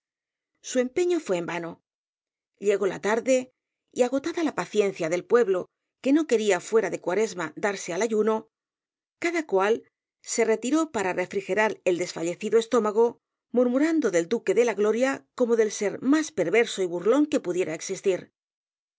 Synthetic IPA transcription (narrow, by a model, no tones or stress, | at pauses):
sue̞mpe̞ɲo̞fwe̞ːmbano̞ | ʎe̞ɣo̞la̰t̪aɾðe̞ | iaɣ̞o̞t̪aðalapaθje̞n̟θjaðe̞lpwe̞βlo̞ | ke̞no̞ke̞ɾiafwe̞ɾaðe̞kwaɾe̞zmad̪aɾsealaʝuno̞ | kaðakwal | se̞re̞t̪iɾo̞paɾare̞fɾixe̞ɾaɾeld̪e̞sfaʎe̞θiðoe̞st̪o̞maɣ̞o̞ | muɾmuɾand̪o̞ðe̞ld̪uke̞ðe̞laɣlo̞ɾjako̞mo̞ðe̞lse̞ɾmaspe̞ɾβe̞ɾso̞iβurlo̞ŋke̞puðje̞ɾae̞ksist̪iɾ